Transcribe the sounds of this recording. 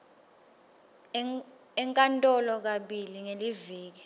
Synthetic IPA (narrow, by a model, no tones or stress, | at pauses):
ɛŋkʼantʼɔlɔk̬aɓiliŋeliviːk̬i